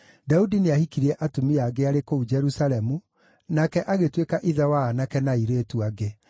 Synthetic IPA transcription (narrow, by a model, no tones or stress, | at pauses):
daudineahikiɾiɛʔatumiaɡeaɾekoud͡ʒɛɾusalɛmu | nakɛʔaɣetwekaʔiðɛwaːnakɛnaiɾeːtuaɡe